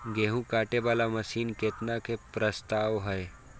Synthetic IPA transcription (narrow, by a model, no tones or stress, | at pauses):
ɡeːɦũkaːʈeʋaːlamɐsiːnkeːt̪nakʰepɾəst̪aːʋɦəe